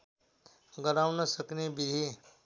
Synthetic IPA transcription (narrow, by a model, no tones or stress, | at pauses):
ɡəɾaʋnəsəknebɪd̪ʱi